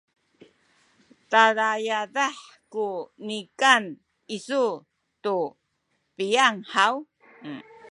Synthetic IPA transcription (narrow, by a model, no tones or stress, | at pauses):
taɾajadaħ | kunikan | isu | tu | pijaŋħaw